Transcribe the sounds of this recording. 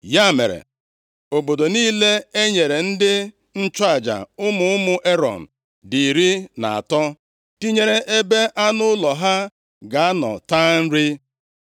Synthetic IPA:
ja˦˨mḛ˨ɾḛ˨ | o˨bo˨do˨niː˦le˦e˦ɲe˨ɾe˨n̩˦dɪ˦ | n̩˦t͡ʃa˨d͡ʒa̰˨ʊ˦mʊ˦ʊ˦mʊ˦ʔe˦ɾɔ̰˨n̩˨ | di˨ɾi˦na̰˨a̰˨tɔ˦ | ti˦ɲe˦ɾe˦ʔe˦be˦ʔa˦nʊ˦ʊ˦lɔ˨ɦa˦ | ɡa˨˦nɔ̰˨ta˦n̩˦ɾi˦

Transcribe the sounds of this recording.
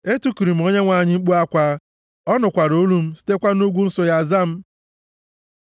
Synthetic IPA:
e˦tu˦ku˨ɾi˨m̩˨o˦ɲe˦ŋʷa˨ɲɪ˦ŋ͡m̩˦k͡pu˦a˦kʷa˦ | ɔ˦nʊ˨kʷa˨ɾo˦lu˦m̩˦si̥˦te˦kʷa˦nu˦ɡʷu˦n̩˦sʊ˦ja˨za˦m̩˦

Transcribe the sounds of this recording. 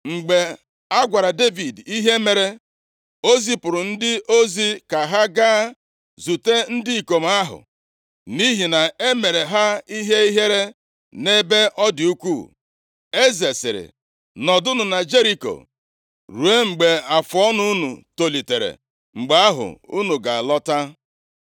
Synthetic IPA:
ŋ͡m̩˨ɡ͡be˨ | a˦ɡʷa˨ɾa˨de˦vi˨di˦ɦe˦me˨ɾe˨ | o˦zi˦pʊ˨ɾʊ˨n̩˦dɪ˦ʔo˦zi˦ka˨ɦa˦ɡaː˦ | zu˨te˦n̩˦dɪ˦i˨ko˨m̩˨˦a˦ɦʊ̰˨ | ni˦ɦi˨na˨e˦me˨ɾe˨ɦa˦i˦ɦe˦i˦ɦe˦ɾe˦ | ne˦be˦ʔɔ˦dɪ˨u˦kʷu˦˨ | e˦ze˨sɪ̰˨ɾɪ̰˨ | nɔ˨dʊ˦nʊ˨na˨d͡ʒe˦ɾi˦ko̰˨ | ɾu˨e˦ŋ͡m̩˨ɡ͡be˨a˨fɔ˦nu˦u˦nṵ˨to˨li˨te˨ɾḛ˨ | ŋ͡m̩˨ɡ͡be˦a˦ɦʊ̰˨u˦nu˨ɡa˨lɔ˦ta˦

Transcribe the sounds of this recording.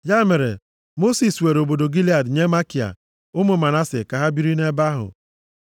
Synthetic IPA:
ja˦me˨ɾḛ˨ | mo˦si˨swe˨ɾo˨bo˨do˨ɡi˦li˨˦a˨dɲe˦ma˦ki˨a̰˨ | ʊ˦mʊ˨ma˨na˦sɪ̰˨ka˨ɦa˦bi˦ɾi˦ne˦ba˦ɦʊ̰˨

